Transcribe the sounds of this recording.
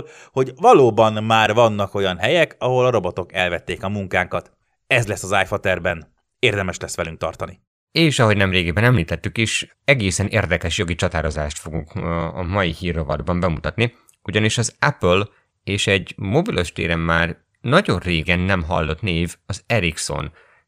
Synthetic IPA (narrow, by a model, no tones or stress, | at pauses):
l | ho̞ɟvɒloːbɒnmaːrvɒnːɒko̞jɒnɦɛjɛkɒɦo̞lɒɾo̞bot̪o̞kɛ̰lvɛt̪ːeːkɒmuŋkaːŋkɒt̪ | ɛzlɛsːɒzaːjfɒt̪ɛrbɛn | eːrd̪ɛmɛʃlɛsːʋɛlyŋkt̪ɒ̰rt̪ɒni | eːʃɒɦo̞ɟnɛmreːɡibɛnɛmliːt̪ɛt̪ːykiʃ | ɛɡeːsɛnʔeːrd̪ɛkɛʃjo̞ɡit͡ʃɒt̪aːɾo̞zaːʃt̪fo̞ɡuŋkɒ̰mɒjihiːrːobɒ̰d̪bɒmbɛmut̪ɒt̪ni | uɟɒniʃɒzɛpøl | eːʃɛɟmobilʔo̞ʃt̪ḛːɾɛmːaːr | nɒɟo̞rreːɡɛnːɛmɦɒ̰lːo̞t̪neːvɒzɛɾikso̞̰n